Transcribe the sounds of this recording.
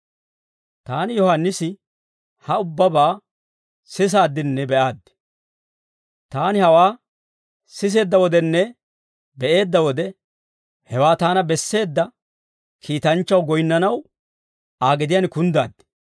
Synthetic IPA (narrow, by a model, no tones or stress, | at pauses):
t̪aːnɪjɔhanːɪsɪ | hɐʊbːɐbaː | sɪs̬aːd̪ːɪnːɛbɛʔaːd̪ːɪ̥ | t̪aːnɪhɐwaː | sɪs̬e̞ːd̪ːɐwɔd̪ɛnːɛ | bɛʔe̞ːd̪ːɐwɔd̪ɛ | hɛwaːt̪aːnɐbɛsːe̞ːd̪ːɐ | kʰiːt̪ɐnt͡ʃːɐwɡɔjɪnːɐnɐw | aːɡɪd̪ɪjaːnkʊnd̪a̰ːd̪ːɪ̥